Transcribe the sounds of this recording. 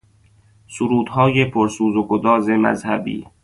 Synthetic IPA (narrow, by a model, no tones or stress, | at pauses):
suɾuːd̪hɒːjepʰoɾsuːzoɡod̪ɒːzemæ̰zhæbḭː